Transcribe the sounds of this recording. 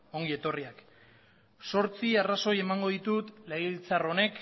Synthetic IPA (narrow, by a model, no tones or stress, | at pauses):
o̞ŋɡie̞t̪o̞riak | so̞ɾt͡siaraso̞je̞maŋɡo̞ðit̪ut̪lejilt͡saro̞ne̞k